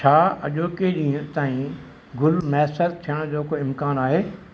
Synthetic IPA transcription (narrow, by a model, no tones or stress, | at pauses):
t͡ʃʰaːɐ̰ʄoːkeɗĩːt̪aːĩ | ɡʊlmɛsəɾ̚t̪ʰijəɽ̃d͡ʑoːkoɪmkaːnaːɦeː